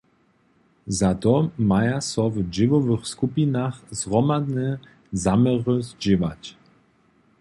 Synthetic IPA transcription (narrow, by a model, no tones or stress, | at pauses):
zat̪ɔmajasɔvd͡ʒɪvɔvəxskupinaxzʁɔmad̪nɛ | zamɛʁəzd͡ʑɪvat͡ɕ